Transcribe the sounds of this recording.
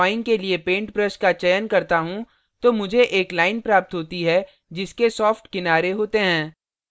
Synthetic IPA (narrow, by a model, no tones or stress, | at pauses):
aːɪ̃ŋɡkeliepẽːɳʈpɾəskat͡ʃɐjənkɐɾt̪aɦũ | t̪oːmʊd͡ʒʱeʔeːklaːɪnpɾaːp̚t̪ɦoːt̪iɦɛ | d͡ʒɪskesɔːfʈkɪnaːɾeɦoːt̪eɦɛ̃ː